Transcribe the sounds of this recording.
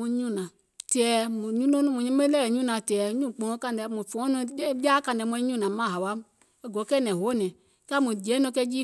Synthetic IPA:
ũ˧˦ɲũ˦˨nã˨ | tɛ˨˧˨mũ˨ɲũ˦nõ˦nũ˦mũ˨ɲĩ˦mẽ˦lɛ˦˨ɲũ˦˨nã˨tɛ˨˦ɲũ˦˨k͡pɔ̃˨˦˧ka˧n˨ɛ˨mũ˨fɔ̃˨˦nũ˧ɛ˦bi˦a˦ka˧n˨ɛ˨mũ˧˦ɲũ˦nã˨mã˦˨ɦa˨wa˨˦ | ɛ˦˨ɡɔ˨˦kɛ˦nɛ̃˨ɦo˨˦nɛ̃˨ | ka˦mũ˨d͡ʒɛ˨˦nɔ̃˧˦kɛ˧˦d͡ʒi˦

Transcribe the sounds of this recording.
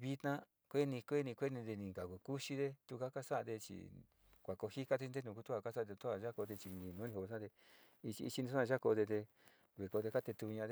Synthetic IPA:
βi˧t̪nã˦ | kʷe˦nĩ˧kʷe˦nĩ˧kʷe˦nĩ˧d̪e˧nĩ˨ka˨kʷu˨ku˦ʃi˧ðe˧t̪u˧ka˦ka˦sa˦˧d̪e˧t͡ʃḭ˨ | kʷa˨ko˧hi˦ka˧t̪e˧i˧d̪e˦˧nũ˧ku˧t̪u˦a˧ka˦sa˦˧t̪u˦a˧˨ʒa˦ko˧t̪e˧t͡ʃi˧ĩ˧˨nũː˨˦nĩ˧o˧ã˦t̪e˧ | i˧t͡ʃi˧ḭ˧t͡ʃi˧nĩ˧sã˦˧ʒa˦ko˧ðe˧t̪e˧ | βe˨ko˧t̪e˧ka˦t̪e˧t̪u˧ɲã˧t̪e˧

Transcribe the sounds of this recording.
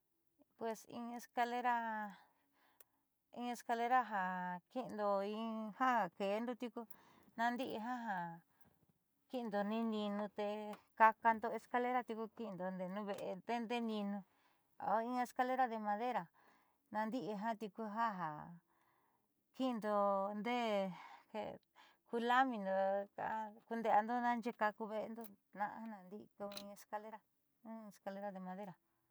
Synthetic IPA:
pwe˨sḭ̃˧e˧ska˧le˦ɾa˦ | ĩ˧e˧ska˧le˦ɾa˦ɦa˨ki˦˧nd̪o˧ĩ˧ha˦a˨ke˨˦nd̪o˧t̪i˧ku˧ | nã˧nd̪i˦ʔi˧ɦã˦ɦã˨ | ki˦nd̪o˧nĩ˦nĩ˧nũ˧t̪e˧ka˧ka˧nd̪o˧e˧ska˧le˦ɾa˧t̪i˧ku˧ki˦˧nd̪o˧nd̪e˨nũ˦βe˧ʔe˧d̪e˦nd̪e˦nĩ˧nũ˧ | a̰˨˦˧ĩ˧˦a˧e˧ska˧le˦ɾa˧ðe˧mã˧ðe˦ɾa˨ | nã˧nd̪i˦ʔi˧ɦã˦t̪i˧ku˧ɦa˦ɦa̰˨ | ki˦˧nd̪o˧nd̪e˦hḛ˧ | ku˧la˦mĩ˧nd̪o˧ka̰˧˦˧ku˧nd̪e˧a˧nd̪o˦nã˦˧nd͡ʒe˧ka˧ku˧βe˧ʔe˧nd̪o˧ | nã̰˧ʔa̰˦nã˧nd̪i˦ʔku˧ĩ˧e˧ska˧le˦ɾã˧˦˧ | e˧˨ska˧le˦ɾa˧ðe˧mã˧ðe˦ɾa˨

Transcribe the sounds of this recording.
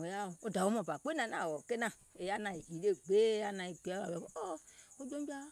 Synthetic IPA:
o˨˦ja˦˨o˨o˦da˨wo˨˦mɔ̃˨ba˨k͡pe˦nã˨nã˨wɔ˨ke˦nã˦˨ | e˨ja˦nã˨i˨i˨le˦ɡ͡be˦ja˦nã˨i˨ɡ͡be˨˦a˨ɛ˨˦ɔ˦o˦o˦d͡ʒõ˦bi˦a˦

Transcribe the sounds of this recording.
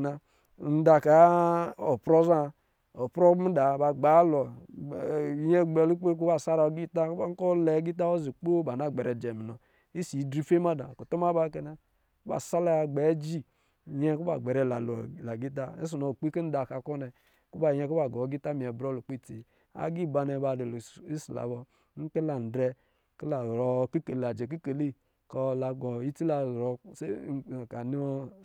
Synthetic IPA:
na˨ | n̩˦da˨ka˨o˨pɾo˦za˦ | o˨pɾo˦m̩˦da˨ba˨ɡ͡ba˨˦lɔ˨ | jɛ˦ɡ͡bɛ˨lu˦k͡pe˦k̬u˦ba˦˨sa˦ɾa˨o˨˦ɡi˦ta˦kba˦ŋ˦ko˦lɛ˨˦ɡi˦t̬a˦o˦zi˨k͡po˦ba˨na˦˨ɡ͡bɛ˨ɾɛ˨d͡ʒɛ˨mi˨nɔ˨ | i˦si˨˦dɾi˦fe˦ma˦da̰˨ku˨to˦m˦a˦ba˦ke˨na˨ | ku˦ba̰˨sa˦la˦˨ɡ͡bɛ˨˦d͡ʒi˦˨ | ɲɛ˦ku˦ba̰˨ɡ͡bɛ˨ɾɛ˨la˨lu˨la˨ɡi˦t̬a˦ḛ˦s̬u˨nɔ˨k͡pi˦ke˦n̩˦da˨ka˨kɔ˦nɛ˨ | ku˦ba˨ɲɛ˦ku˦ba˨ɡɔ˨˦ɡi˦ta˦mi˨ɛ˨bɾɔ˦lu˨k͡pi˦˨ti˨ | a̰˨ɡi˦˨ba˧nɛ˨˦ba˨de˨li˦si˨la̰˨bɔ˨˦ | n̩˦ke˦la˨n̩˨dɾɛ˦ | ki˦la˨ɾɔ˨ki˦ke˨la˨d͡ʒɛ˨k̬i˦ke˨le˦˨ | kɔ˦la˨ɡɔ˨i˦ti˦la˨ɾɔ˨se˦˨ka˨ni˦ɔ˦

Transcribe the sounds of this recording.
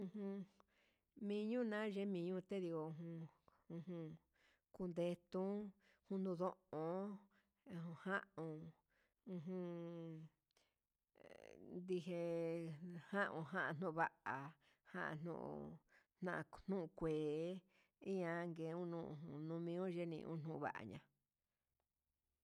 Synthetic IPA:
ũ˧hũ˧ | mĩ˧ɲũ˦nã˦ʒe˦mĩ˧ɲũ˦˧t̪e˦ði˧ko˧u˧ɦũ˧ũ˧hũ˧ | ku˧nd̪e˧t̪ũ˦ | hũ˧nd̪ũ˧ðõ˦ʔõ˨˧ | ũ˧hã˦ʔõ˧ | ũ˧ɦũ˧ | nd̪i˧ɦe˧ | hã˦ʔũ˧ɦã˦ʔã˧˨n̥ũ˦˧βa˦ʔa˨ | hã̰˦ʔã̰˧n̥ṵ̃˦˧ʔ | n̥nã˦˧a˧n̥ũ˦ũ˧kʷeː˨˦ | i˦ã˧ŋɡe˧˨˦ũ˦nũ˧ũ˧˨nũ˧mĩ˧˦ũ˦ʒe˦nḭ̃˧ʔṵ̃˦n̥ũ˧˨βa̰˨ʔa̰˨ɲã̰˧

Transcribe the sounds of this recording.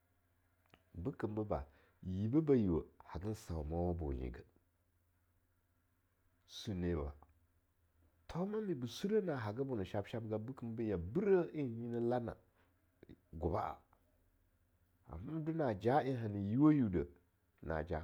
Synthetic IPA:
bu˦kə˨mbə˦ba̰˨ | ji˨bə˦ba˨ji˨wə˨ha˨ɡə˦n˦sa˨ma˦wa˦bo̰˨nḭ˨ɡə˦ | su˨ne˨ba̰˨ | tʰo˦ma˦mi˨bu˨su˦ɾə˦na˨ɦa˨ɡa˦bu˨nə˨ʃa˦bʃa˦b̚ɡa˦bu˦kə˦m˦bə˦ja˨bu˦ɾə˦i˦˨ɲi˦nə˦la˦na̰˨ | ɡu˨ba˦a̰˨ | a̰˨ma˦du˦na˨d͡ʒa˦i˦ɦa˨ni˨ji˦wa˦ju˨də˨ | na̰˨d͡ʒa˦

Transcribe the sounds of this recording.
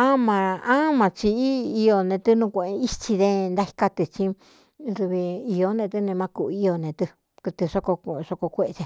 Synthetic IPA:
ã˦mã˧ã˦mã˧t͡ʃi˧i˦i˧o˧nẽ˧t̪ɨ˦nũ˧kʷe˧ʔe˧i˦t͡ʃi˧ðẽ˦˧nd̪a˦hi̥˧ka˧t̪ɨ˧t͡ʃĩ˦ | ɾu˧βi˧i˧o˧˦nẽ˧t̪ɨ˦nẽ˧mã˧˦ku˧ʔi˦˧o˧nẽ˧t̪ɨ˧ | kɨ˧t̪ɨ˧ʂo˦ko˧ʂo˧ko˧kʷe˧ʔe˧t͡ʃe˧

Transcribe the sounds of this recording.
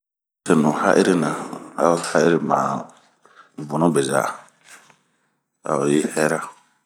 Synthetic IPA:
se˨nũ˨ha̰˦ʔḛ˦ɾi˦nã˨a˦ha˦i˦ɾi˦mã̰˨ | bu˨nũ˦bɛ˨za̰˨ | a̰˨o˨je˦hɛ˦ɾa˦

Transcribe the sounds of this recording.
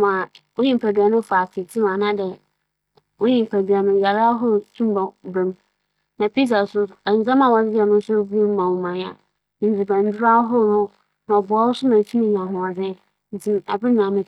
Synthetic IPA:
mã˨wo˦ɲĩ˦˨˦pʰæ˨dɥa˨nʊ̃˦fa˨tʰɪ˨tʰĩ˦mã˨nã˦dɛ˨ | wo˦ɲĩ˨m˨pʰæ˨dɥa˨nʊ̃˨ja˨ɾa˦ɦʊ˦˨tʰũ˦m˦ba˨bɾɛ˦m | nã˨pʰi˦s̬a˨sʊ˦ɛ˨n˨˦d͡zã˦mã˨wɔ˨d͡zɪ˦jɛ˨nʊ̃˦sʊ˦bu˦o˦m˦mã˨wu˨mã˨jã˨ | n̩˦d͡zi˨bã˨n˦dɪ˦ɾa˦ɦʊ˦nʊ̃˦ | nã˨ɔ˨bʊ˨ɔ˦wʊ˦sʊ˦nã˨tʰũ˦mĩ˨ɲ˨ã˨ɦʊ̃˨ɔ˨d͡zɪ̃˦ | n˨ti˦ma˨bɪ˦nã˨mɪ̃˨

